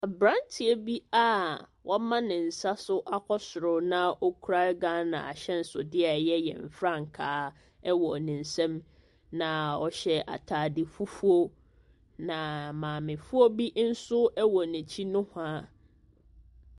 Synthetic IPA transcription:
a˨bɾã˦ntʰɪ˨e˦bi˦a˦˨wʔɔ˦mã˦nɪ̃˨n̩˨sa˦sʊ˦ʔa˦kʰɔ˦sʊ˨ɾʊ˨nã˦ʔɔ˦kʰu˦ɾa˦ɡã˦nã̰˨a̰˨ɕɛ˦n̩˨˦sʊ̰˨dɪ˦a˨jɛ˦jɛ̰̃˨m̩˨fɾã˦˨ŋ̩˨kʰaː˨˦ | ɛ˦wɔ˨nɪ̃˨n̩˨sɛ̃˦m | nã˨ɔ˦ɕɛ˦ʔa̰˨tʰaː˨dɪ˨fu˦fu˦o˦ | nã˨mãː˨mɪ̃˨fu˦o˦bi˦n̩˦sʊ˦ɛ˦wɔ˨nɪ̃˨t͡ɕʰi˦nʊ̃˦hã˦

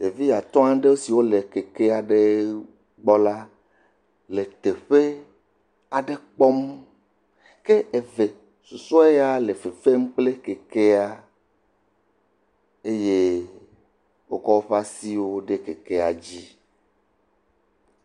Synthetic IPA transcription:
je˨vi˦ja˨t̪ɔ̃˦ã˦ɖe˦wo˦si˨wo˦le˨ke˨ke˦a˨ɖe˦ | ɡ͡bɔ˦la˦ | le˨t̪e˨ɸe˦ | a˨ɖe˦k͡pɔ˦m | ke˦e˨ve˨ | su˨sɔ˦e˦ja˦le˨fe˨fe˦m̩˦k͡ple˦ke˨ke˦a˦ | e˦je˦ | wo˦kɔ˦wo˦ɸa˦si˦wo˦ɖe˦ke˨ke˦a̰˨d͡ʑi˦

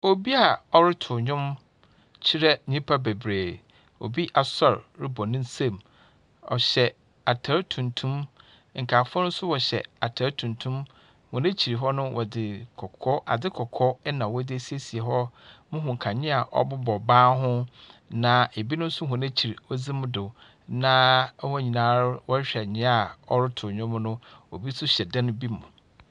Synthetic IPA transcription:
o˨bi˦a˨ɔ˦ɾɪ˦tʰʊ˨ɲᶣʊ̃˦m | t͡ɕʰi˦ɾɛ˦ɲĩ˦pʰa˦be˨bɾeː˨ | o̰˨bi˦ʔa˨sɔ˨ɾɾɪ˦bɔ˨nɪ̃˦n˦sẽ˦˨m | ɔ̰˨ɕɛ˨ | a˨tʰa˨˦ɾtʰũ˨ntʰũ˦m˨ | ŋ̩˨kʰa˨fʊ˦ɔ˦nʊ̃˦sʊ˦wɔ˨ɕɛ̰˨a˨tʰa˨ɾtʰũ˨ntʰũ˦m | hʊ̃˨næ̃˦t͡ɕʰi˨ɾi˨ɦɔ˦nʊ̃˦wʔɔ˨dɪ˨kʰɔ˨kʰɔ˦ʔa̰˨dɪ˦kʰɔ˨kʰɔ˦ɛ˦nã˨wɔ˦dɪ˦æ˦si˦e˦si˨e˨ɦɔ˦mʊ̃˦ɦʊ̃˨ŋ̩˨kʰa˨ɲɪ̃˦a˨ʔɔ̰˦bʊ˦bɔ˨bãː˦ɦʊ̃˦nã˨e˨bi˦nʊ̃˦n̩˦sʊ˦ɦʊ̃˨næ̃˦t͡ɕʰi˨ɾi˨ɔ˦d͡zi˦mʊ̃˦dɪ˨ | nã˦hʊ̃˦˨ɲĩ˨nã˨˦ɾwɔ˦ɕᶣɛ˨ɲɪ̃˦a˨ɔ˦ɾʊ˦tʰʊ˨ɲᶣʊ̃˦mʊ̃˦nʊ̃˦ɔ˨bi˦sʊ˦ɕɛ˨dã˦nʊ̃˦bi˦mʊ̃˨

